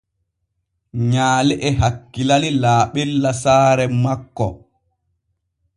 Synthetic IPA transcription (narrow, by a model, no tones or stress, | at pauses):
ɲaːlɛʔɛɦakːilalilaːɓɛlːasaːɾɛmakːɔ